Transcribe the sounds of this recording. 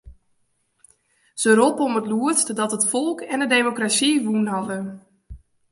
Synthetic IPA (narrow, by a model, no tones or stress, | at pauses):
z̥əɾopəɔmətluətstdɔtətfɔlˠkɛndədemokrasiʋunɦɑdə